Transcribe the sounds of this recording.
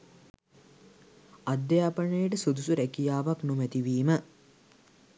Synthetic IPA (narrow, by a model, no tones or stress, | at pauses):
ad̪ːejaːpəɳəjəʈəsod̪usuɾækijaːʋaknumɛt̪iʋiːmə